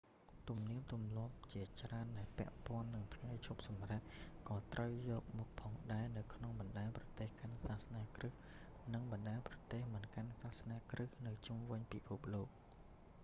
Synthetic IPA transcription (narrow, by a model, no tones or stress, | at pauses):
t̪umniəmt̪umlŏəp̚t͡ɕiət͡ɕraənɗaɛlpɛ̆əʔpŏənːɨŋt̪ʰŋajt͡ɕʰup̚sɑmrət̚kɑːt̪rəwjɔːk̚muk̚pʰɑːŋɗaɛnɨwkʰnoŋɓɑnɗaɛmprɑt̪eːhkansaːhsnaːkrɨh | nɨŋɓɑnɗaɛnprɑt̪eːhmɨnkansahsnaːkrɨhnɨwt͡ɕumʋɨɲpipʰup̚loːk̚